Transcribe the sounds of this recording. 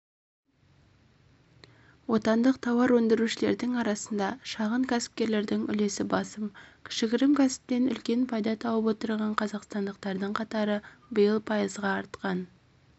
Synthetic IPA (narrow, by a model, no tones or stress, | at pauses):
wo̞t̪ɑnd̪əq̚t̪ʰɑwɑɾwɵnd̪ɪɾuʃɪle̞ɾd̪ɪŋɑɾɑsənd̪ɑʃɑʁəŋkʲʰæsɪ̥p̚kʲe̞ɾle̞ɾd̪ɪŋʏ̰le̞sɪbɑsəmkʲʰɪ̥ʃɪɡʲɪɾɪmkʲæsɪ̥p̚t̪e̞nʏ̰lkʲe̞npʰɑjd̪ɑt̪ʰɑwəpwo̞t̪əɾʁɑɴqʰɑzɑqst̪ɑnd̪əq̚t̪ɑɾd̪əɴqʰɑt̪ɑɾəbəjəlˠpʰɑjəzʁɑːɾt̪qɑn